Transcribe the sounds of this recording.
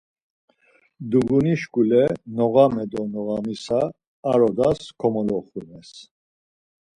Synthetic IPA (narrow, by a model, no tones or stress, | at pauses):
d̪uɡuniʃkʼulɛnɔɣamɛd̪ɔnɔɣamisaː | ɾɔd̪askʰɔmɔlɔχunɛs